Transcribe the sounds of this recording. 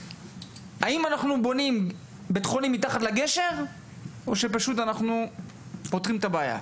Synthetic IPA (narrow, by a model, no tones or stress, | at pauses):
aimanaχnubo̞nim | bet̪χonimːit̪aχat̪laɡe̞ʃe̞ʁ | o̞ʃe̞paʃut̪anaχnu | po̞t̪ʁimet̪abaaːja̰